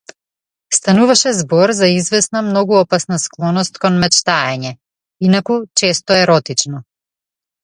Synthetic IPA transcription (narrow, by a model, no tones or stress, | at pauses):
st̪anuvaʃɛzbɔɾzaizvɛsnamnɔɡuɔpasnasklˠɔnɔst̪kɔnmɛt͡ʃt̪aɛɲɛ | inakut͡ʃɛst̪ɔɛɾɔt̪it͡ʃnɔ